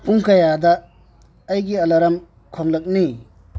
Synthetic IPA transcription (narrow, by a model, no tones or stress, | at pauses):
puŋkɐjadɐː | jɡiɐlɐɾɐm | kʰoŋlɐk̚ni